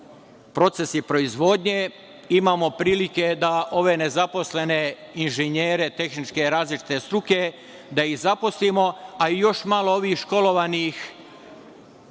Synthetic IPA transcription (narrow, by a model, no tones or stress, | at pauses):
pɾo̞t̪se̞sipɾo̞izʋo̞d̪ɲe | imaːmo̞pɾiːlike̞d̪aʔo̞ʋene̞zapo̞sle̞ne̞ | inʒeɲeːɾe̞t̪e̞xnit͡ʃke̞ɾaːzlit͡ʃi̥t̪e̞st̪ɾuke̞ | d̪aizapo̞slimo̞aijo̞ʃmalˠooʋiːxʃko̞lo̞ʋanix